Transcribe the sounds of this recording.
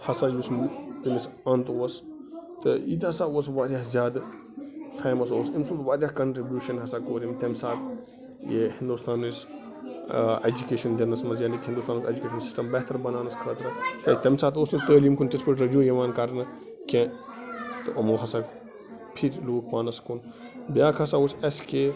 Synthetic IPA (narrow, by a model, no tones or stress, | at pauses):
hɐsaːd͡ʒust̪imisɐnt̪oɐst̪ɨḭːt̪ɦɐsaoːsʋaːɾʲjaɦzjaːd̪ | fʰeːmɐs̬oːsimsunt̪ʋaːɾjahkɐɳʈɾibʲjuːʃɐnɦɐsakoːɾʲimt̪ɐmsaːt̪ | jehind̪uːst̪aːnus | ed͡ʒukeːʃɐnd̪ɐnɐsmɐzjaːnikhind̪ust̪aːnked͡ʒukʲeːʃɐnsi̥sʈɐmbɐɦt̪ɐɾbɐnaːnɐskʰəːt̪ɾɐkɐst̪ɐmsaːt̪oːsnɨt̪əːlimkʰunt̪ispɐɾɾɐd͡ʒũːjɐʋaːnkɐɾnɐ | kʲẽ | t̪ɨʔɐmoːɦɐsaːk | pʰiɾluːkʰʋaːnɐskʰun | bjaːkʰɐsaosɐske